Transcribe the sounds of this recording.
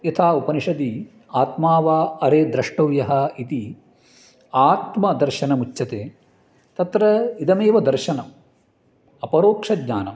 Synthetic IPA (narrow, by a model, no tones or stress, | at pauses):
jɐt̪ʰaːupɐniʂɐd̪i | aːt̪maːʋaɐɾeːd̪ɾɐʂʈɐʋjɐɦɐit̪i | aːt̪mɐd̪ɐɾʃɐnɐmut͡ʃːt͡ʃɐt̪eː | t̪ɐt̪ɾɐid̪ɐmeːʋɐd̪ɐɾʃɐnɐm | ɐpɐɾoːkʂɐd̪ɲaːnɐm